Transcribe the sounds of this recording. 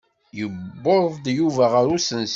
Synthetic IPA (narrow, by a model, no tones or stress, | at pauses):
jəbːoɾðd̪juvæʁəɾusəns